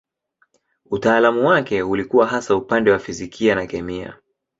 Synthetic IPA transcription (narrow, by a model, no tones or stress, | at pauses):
utaːlamuwakɛulikuwaɦasaupandɛwafizikʰianakɛmia̰